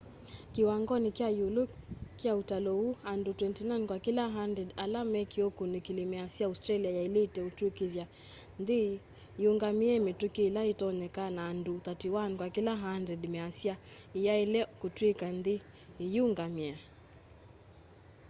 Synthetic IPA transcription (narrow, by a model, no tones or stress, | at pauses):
kiwaŋɡɔnikiajulukiautalɔuandutwɛntinajnkwakilaɦandɾɛdalamɛkiokunikilimɛasiaustɾaliajailitɛutukivja | ndi | juŋɡamiɛmitukiːlaitɔnɛkanaːndut̪atiwankwakilaɦandɾɛdmɛasiaijailɛkutwikand̪i | juŋɡamia